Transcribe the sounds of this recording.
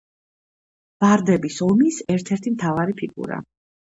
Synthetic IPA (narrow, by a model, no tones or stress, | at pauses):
b̥aɾd̪ɛbisɔmisɛɾt̪ʰɛɾt̪ʰimt̪ʰavaɾipʰiɡṵɾa̰